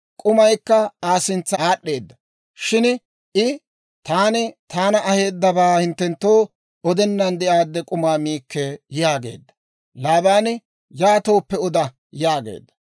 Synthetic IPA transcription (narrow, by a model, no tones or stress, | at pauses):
kʼʊmɐjkːɐaːsɪnt͡sːɐaːɗːe̞ːd̪ːɐ | ʃɪn | ʔɪ | t̪aːnɪt̪aːnɐɐhe̞ːd̪ːɐbaːhɪnt̪ːɛnt̪ːo̞ː | ɔd̪ɛnːɐnd̪ɛʔaːd̪ːɛkʼʊmaːmiːkːɛjaːɡe̞̰ːd̪ːɐ̥ | laːbaːn | jaːt̪o̞ːpːɛɔd̪ɐ | jaːɡḛːd̪ːɐ̥